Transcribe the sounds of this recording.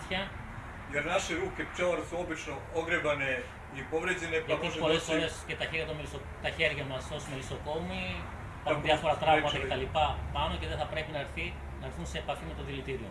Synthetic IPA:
tçɐ | jeɾnaʃiɾukept͡ʃelaɾsuobit͡ʃno | oɡɾebane | ipovɾed͡ʑenept̪ipo̞lesfoɾe̞sce̞t̪ɐçe̞ɾjɐt̪omelisokt̪ɐçe̞ɾʝɐmɐsosmelisoko̞mi | pɐxuðiɐfo̞ɾɐt̪ɾɐmɐtt̪ɐket̪ɐlipɐpɐno̞ceðeθɐpɾe̞pinɐeɾθi | nɐɾθunse̞ːpɐfimet̪oðilit̪iɾio

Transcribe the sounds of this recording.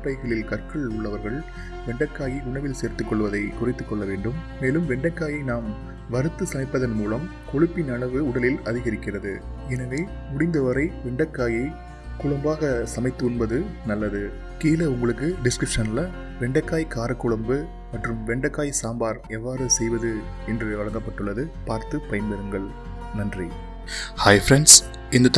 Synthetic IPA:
pːɐɪɣɐɭɪlkɐrkɐɭʊɭːɐʋɐɾɣɐɭ | ʋɛɳɖɐkːaːjiʊɳɐʋɪlseːɾt̪ːɯkːɔɭːɯʋɐðɐɪkʊrɪt̪ːɯkːɔɭːɐʋeːɳɖɯmːeːlɯmʋɛɳɖɐkːaːjɐɪnaːm | ʋɐɾɯt̪ːɯsɐmɐɪpːɐðɐnmuːlɐm | kɔɻɯpːɪnɐɭɐʋɯʊɽɐlɪlɐðɪɣɐɾɪkːɪrɐðɯ̰ | ɛnɐʋeː | mʊɽɪnd̪ɐʋɐɾɐɪʋɛɳɖɐkːaːjɐɪ | kʊɻʊmbaːɣɐsɐmɐɪt̪ːɯʊnbɐðɯnɐlːɐðɯ | kiːlɐʊŋɡɐɭɯkːɯɖɪskɾɪpʂɐnlɐ | ʋɛɳɖɐkːaːjkːaːɾɐkːʊɭɐmbɯ | mɐʈrɯmʋɛɳɖɐkːaːjsaːmbaːɾɛʋːaːɾɯsɛjʋɐðɯ | ɛndrɯʋɐɭɐŋɡɐpːɐʈːɯɭːɐðɯpaːɾt̪ɯpɐjɐnbɛɾɯŋɡɐɭ | nɐndri | hɐɪfɾɛɳs | ɪnd̪ɐt̪

